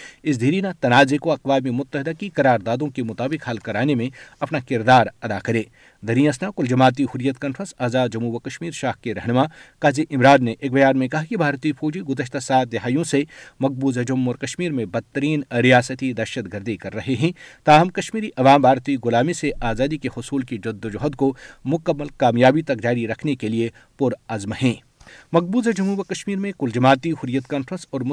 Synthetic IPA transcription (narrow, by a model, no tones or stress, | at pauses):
ɪs̬d̪ʱiːɾinat̪ɐnaːzekoɐqʋaːmimʊt̪ːəɦɪd̪akikɐɾaːɾd̪aːd̪õkemʊt̪aːbɪkhɐlkɐɾaːnemẽɐpnakɪɾd̪aːɾɐd̪akɐɾẽː | d̪ʱɐɾĩːəsnakʊld͡ʒɐmaːt̪̬ihʊɾjət̪kãːnfʰɾə̃nsaːzaːd̪d͡ʒɐmuːʋɐkɐʃmiːɾʃaːɦkeɾɐɦnɪmakaːziʔɪmɾaːd̪neʔeːk̚bɐjaːnmẽkɐɦakibʱaːɾt̪ifʰoːd͡ʒiɡʊd̪əʃt̪asaːt̪̚d̪ɪɦaːjõsemɐɡ̚buːzɐd͡ʒʊmːɔːɾkɐʃmiːɾmẽbɐt̪ːəɾiːnɾijaːsət̪id̪ɐɾʃət̪ɡɐɾd̪ikɐɾːɐɦeɦɛ̃ːt̪aːɦɐmkɐʃmiːɾiʔɐʋaːmbʱaːɾt̪iɡʊlaːmiseʔaːzaːd̪ikehʊsuːlkid͡ʒɐd̪ːʊd͡ʒɔɦd̪komʊkəmːəlkaːmjaːbit̪ɐk̚d͡ʒaːɾiɾɐkʰnekelie | pʊɾɐzmɦɛ̃ː | mɐk̚buːzɐd͡ʒɐmuːʋəkɐʃmiːɾmẽkʊld͡ʒɐmaːt̪ihʊɾijət̪kaːnfɾə̃nsɔːɾm